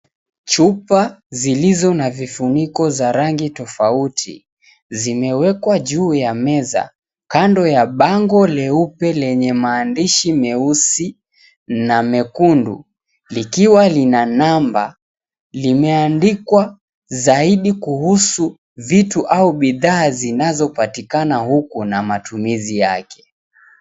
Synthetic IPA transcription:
t͡ʃupazilizɔnavifunikɔzaɾaŋɡitɔfautʰḭ | zimɛwɛkwaʄuːjamɛza̰ | kandɔjaɓaŋɡɔlɛupɛlɛɲɛmaːndiʃimɛusi | namɛkundṵ | likiwalinanamba̰ | limɛandikwa | zaiɗikuhusu | vituʔauɓiðaːzinazɔpatikanahukunamatumizija̰kɛ̥

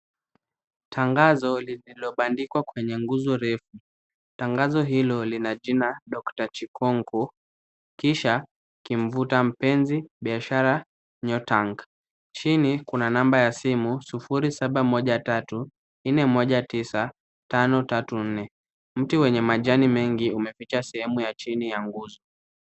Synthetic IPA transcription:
tʰaŋɡazɔliilɔɓandikwakwɛɲɛŋɡuzɔɾɛfu | taŋɡazɔɦilɔlinaʄinaɗɔktat͡ʃikʰɔŋkɔ | kiʃa | kiɱ̩vutam̩pɛnziɓiaʃaɾa | ɲɔtaŋk | t͡ʃinikunanambajasimusifuɾisaɓamɔʄatatu | n̩nɛmɔʄatisa | tanɔtatun̩nɛ | m̩tiwɛɲɛmaʄanimɛŋɡiumɛfit͡ʃasɛhɛmujat͡ʃinijaŋɡuzɔ

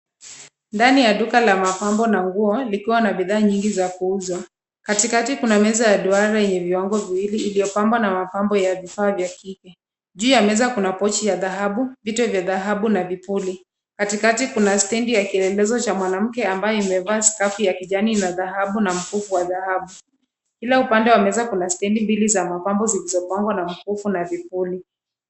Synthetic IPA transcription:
ndanijaɗukalamapambɔnaŋɡuɔlikiwanaɓiðaːɲiŋɡizakuuzwa | katikatikunamɛzajaɗuaɾajɛɲɛviwaŋɡɔviwiliːlijɔpambwanamapambɔjavifaːvjakikɛ | ʄuːjamɛzakunapɔt͡ʃijaðaɦaɓuvitɔvjaðaɦaɓunavipuli | katikatikunastɛndijakiɛlɛlɛzɔt͡ʃamwanam̩kɛambajɔimɛvaːsi̥kafujakiʄaninaðaɦaɓunam̩fufuwaðahaɓu | kilaupandɛwamɛzakunastɛndimbilizamapambɔzilizɔpaŋɡwanam̩fufunavipuli

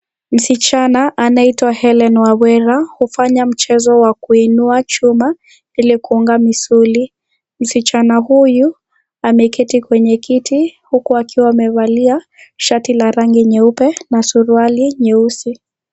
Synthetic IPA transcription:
m̩sit͡ʃanaʔanaitwahɛlɛnwawɛɾahufaɲam̩t͡ʃɛzɔwakuinuat͡ʃuma | ilikuuŋɡamisuli | m̩sit͡ʃanahuju | amɛkitikwɛɲɛkitihukuakʰiwaːmɛβalia | ʃatilaɾaŋɡiɲɛupɛnasuɾualiɲɛusi

